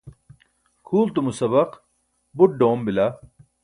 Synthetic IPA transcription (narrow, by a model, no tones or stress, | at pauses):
kʰuːlt̪umusɐbɐq | buʈ̚ɖoːmbilɐ